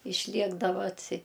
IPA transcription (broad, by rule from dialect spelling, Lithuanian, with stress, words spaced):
ɪʃʲˈlʲiɛɡdɐʋɐ ɐtʲˈsʲɪ